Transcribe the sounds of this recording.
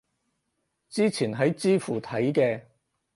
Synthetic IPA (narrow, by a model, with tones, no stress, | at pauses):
t͡siː˥t͡sʰiː˨˩nɦɐ˨˥jt͡siː˥fuː˨˩t̪ʰɐ˨˥jkɛː˧